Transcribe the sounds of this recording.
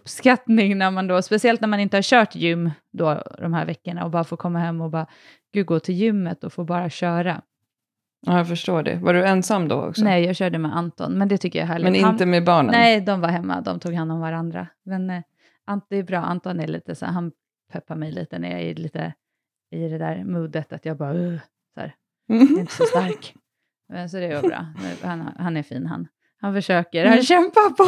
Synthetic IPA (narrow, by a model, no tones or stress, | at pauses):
ɵpskat̪nɪŋnæɾmand̪oːspɛsɪɛlt̪næɾmanɪnt̪əhaɾɕœːʈjʏmːd̪ɔd̪ɔmhæ̰ːɾvɛkːəɳa̰ɔbɑːɾafoːkʰɔmːaɦɛmːɔbɑː | ɡ̥ʉ̟ːɡoːt̪ʰɪljʏmːət̪ɔfoːbɑːɾaɕœːɾa | aːjafœʂʈoːɖɛ̰vaɖɵɛnsamːd̪ɔ̰ɔ̰ksnɔɛjjɑːɡɕœːɖəmɛʔant̪ɔ̰nmɛnd̪ɛt̪ʰʏkːəja̰ɦæːɭɪmɛnɪnt̪əmɛbɑːɳə̰nɛjd̪ɔmvaɾɦɛmːa̰d̪ɔ̰mt̪ʰuːɡhanːɔmvaɾand̪ɾa̰mɛn | ʔand̪ɛːbɾɑːʔa̰nt̪ɔnæɾɭḭːt̪əsæ̰ɦan | pʰœpːaɾmɛjlḭːt̪ənæ̰ɾja̰ɡɪ̰liːt̪ə̰ | ɪd̪ɛd̪æːɾmuːd̪ət̪at̪jɑːɡ̚bɑː | sæ̰ːɾ | ɛɪnt̪ə̥sɔst̪aɾk | ɛsɔd̪ɛɡobɾɑ̰ːnæ̰ɾhan̰hanæɾfiːnɦa̰n | hanfœʂøːkəɾhanɕɛmpapʰɔ